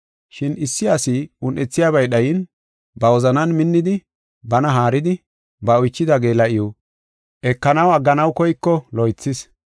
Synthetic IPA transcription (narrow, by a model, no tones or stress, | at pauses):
ʃɪnɪsːɪɐsɪʊnʔɛt͡sːɪjaːbɐjɗɐjɪn | bɐwɔzɐnɐnmɪnːɪd̪ɪ | bɐnɐɦaːɾɪd̪ɪ | bɐɔjt͡ʃːɪd̪aɡe̞ːlɐʔɪjɔ | ʔɛkːɐnɐwɐɡːɐnɐwkɔjkːɔlɔjt͡sːɪs